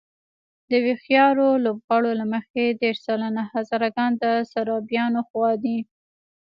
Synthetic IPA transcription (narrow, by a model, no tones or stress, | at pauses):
d̪əwexjɑɾolobɣɑɽolaməxed̪eɾsalanahazɑɾaɡɑnd̪əsaɾɑbjɑnoxwɑd̪i